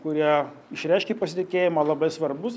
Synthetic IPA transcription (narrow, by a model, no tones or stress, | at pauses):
kʊɾʲiɛ | ɪʃɾʲɛɪʃʲkʲiːpɐsʲɪt̪ʲɪkʲeːjɪmɐːlˠɐbɐɪsʋɐɾbʊs